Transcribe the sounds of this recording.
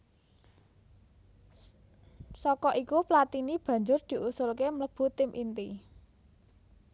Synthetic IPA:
sɔkɔʔikuplat̪inib̥ä̤ɲd͡ʒʊrd̪̥i̤ʔusʊlkemləb̥ṳt̪ɪmʔint̪i

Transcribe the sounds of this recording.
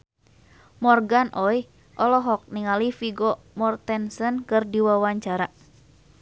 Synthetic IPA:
mɔrɡanʔɔj | ʔɔlɔɦɔk̚niŋalifiɡɔ | mɔrt̪ɛnsənkɨrdiwawaɲt͡ʃaɾa

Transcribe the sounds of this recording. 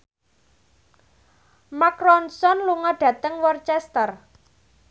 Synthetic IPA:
makɾɔnsɔnluŋɔɖ̥ä̤t̪əŋwɔrt͡ʃɛst̪ər

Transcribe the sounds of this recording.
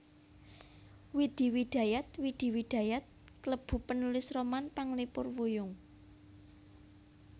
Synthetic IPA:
wid̪̥i̤wiɖ̪̥ä̤jat̪̚wid̪̥i̤wid̪̥ä̤jat̪̚kələb̥ṳpənulɪsromanpaŋlipʊrwujʊŋ

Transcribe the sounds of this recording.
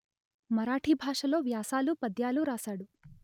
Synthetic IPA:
mɐɾaːʈʰibʱaːʂɐlo̞ːʋjaːsaːlupɐd̪jaːluɾaːsaːɽu

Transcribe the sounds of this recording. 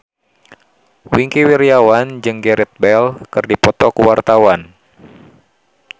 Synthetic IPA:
wiŋkiwiɾiawand͡ʒɨŋɡɛɾit̪̚bɛlkɨrdipɔt̪ɔkuwart̪awan

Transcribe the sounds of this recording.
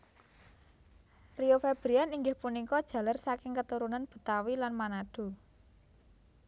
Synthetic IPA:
ɾiofeb̥ɾianiŋɡɪhpunikɔd̥ʒ̥ä̤larsakɪŋkət̪uɾunanb̥u̥̤t̪awilanmanaɖ̥o̤

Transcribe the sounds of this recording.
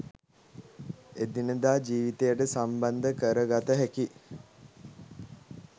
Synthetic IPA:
ed̪inəd̪aːd͡ʒiːʋit̪ejəʈəsamband̪əkəɾəɡat̪əɦæki

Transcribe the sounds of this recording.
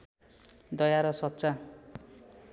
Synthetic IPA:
d̪ʌjaɾʌsʌt̪ːsa

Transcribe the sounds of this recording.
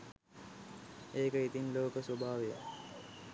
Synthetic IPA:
eːkəit̪inloːkəsobʱaːʋejə̰

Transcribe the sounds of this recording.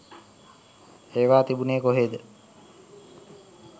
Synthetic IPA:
eːʋaːt̪ibuneːkoɦeːd̪ə

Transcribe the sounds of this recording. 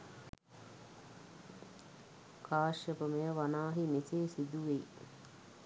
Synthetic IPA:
kʰaːʃjəpəmejəʋanaːɦimeseːsid̪uʋe

